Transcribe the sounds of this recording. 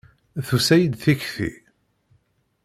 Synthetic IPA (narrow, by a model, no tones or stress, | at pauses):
θusæjəd̪θiçθḭ